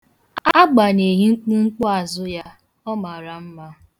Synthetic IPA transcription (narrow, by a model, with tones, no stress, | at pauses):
a˦ɡ͡ba˨ne˨ɦi˦ŋ͡m̩˦k͡pu˦ŋ͡m̩˦k͡pʊ˦a˨zʊ˦ja˦ | ɔ˦ma˨ɾa˨m̩˦ma˦